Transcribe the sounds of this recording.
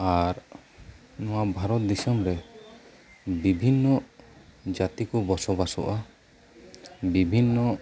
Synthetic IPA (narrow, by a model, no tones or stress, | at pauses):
aɾ | nɔwabʱaɾɔt̪̚d̪isɔmɾɛ | bibʱinːɔ | d͡ʒat̪ikɔbɔsɔbasɔ̰ʔa | bibʱinːɔ